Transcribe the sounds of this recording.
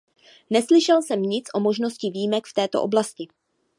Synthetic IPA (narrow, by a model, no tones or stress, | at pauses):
nɛslɪʃɛlsɛmɲɪt͡sʔo̞mo̞ʒno̞scɪviːjmɛkft̪ɛːt̪o̞̰ʔo̞blascɪ